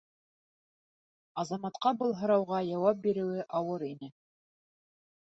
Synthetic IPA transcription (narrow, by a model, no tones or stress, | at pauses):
ɑzɑmɑt̪qɑbɤlˠɦɤ̆ɾɑwʁɑjɑwɑp̚biɾɘ̆wɘʔɑwɤɾinɘ